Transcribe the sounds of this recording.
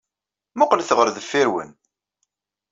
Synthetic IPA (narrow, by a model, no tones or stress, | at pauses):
mʊqlθəʁəɾðəfːiɾwə̰n